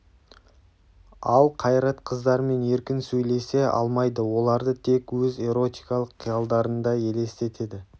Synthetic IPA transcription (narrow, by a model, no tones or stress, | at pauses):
ɑlˠqʰɑjɾɑt̪qʰəzd̪ɑɾme̞ne̞ɾkʲɪnsɵjle̞se̞ɑ̰lˠmɑjd̪əwo̞lˠɑɾd̪ət̪ʰe̞kwɵze̞ɾo̞t̪ijkɑlˠəqʰːijɑlˠd̪ɑɾənd̪ɑje̞le̞st̪e̞t̪ʰe̞d̪ɪ